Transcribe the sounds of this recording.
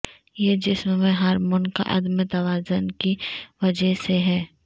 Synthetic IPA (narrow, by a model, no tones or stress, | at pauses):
jed͡ʒɪsmːẽɦɐɾmʊnka̰ʔɐ̰d̪mẽt̪ɐʋaːzʊnkiʋɐd͡ʒəɦseɦɛː